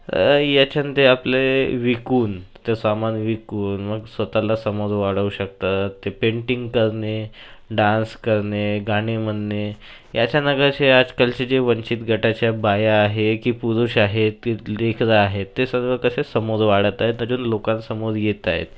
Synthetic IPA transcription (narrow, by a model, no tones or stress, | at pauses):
jat͡ɕant̪eapleʋikuːnt̪esamanʋikuːnməɡsʋət̪alasəmod͡zʋaɽəuɕək̚t̪at̪ːepeɳʈiŋɡkəɾneɖãnskəɾneɡaɽ̃eməd̪ne | jat͡ɕjanəɡəaɾt͡ɕead͡zkalt͡ɕid͡ʑeʋəɲt͡ɕit̪ɡʱəʈat͡ɕjabajaːɦekiːpuɾuɕaɦet̪kilekʰd͡zaːɦet̪ːesəɾʋəkəsesəmod͡zʋaɽ̤ət̪aɦet̪nəd͡ʑuːnlokansəmod͡zjet̪a̰ɦḛt̪